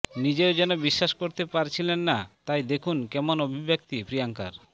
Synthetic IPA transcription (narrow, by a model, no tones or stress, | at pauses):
nid͡ʑeod͡ʑɛnobiʃːaʃkoɾt̪epaɾt͡ɕʰilenːat̪ajd̪ekʰunkɛmonobʱibek̚t̪ipɾijaŋkaɾ